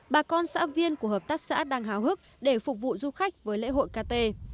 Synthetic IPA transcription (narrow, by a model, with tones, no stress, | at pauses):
ɓaː˨˩kɔ˧nsa̰ː˧˥vi˧ənku˧˩əhəː˨˩p̚t̪aː˦˥k̚sa̰ː˧˥ɗaː˧ŋɦaː˨˦whɨ˦˥k̚ɗe˧˩fʊ˨˩k͡p̚vṵ˧˨zu˧xa˦˥k̟̚vəː˨˦jlḛ˧˥ɦo̰˧˨jkaː˧t̪e˧